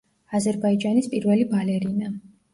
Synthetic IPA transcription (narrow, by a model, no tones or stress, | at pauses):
azɛɾbaid͡ʒanispʼiɾvɛlibalɛɾina